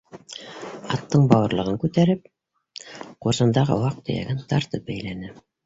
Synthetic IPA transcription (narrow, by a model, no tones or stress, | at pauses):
ɑt̪ːɤɴbɑwɤ̆ɾlˠɤ̆ʁɤŋkʉt̪æɾɘp̚ | quɾsɤ̆nd̪ɑʁɤ̰wɑq̚t̪ɵ̰̆jæ̰ɡɘnt̪ɑɾt̪ɤp̚bæjlænɘ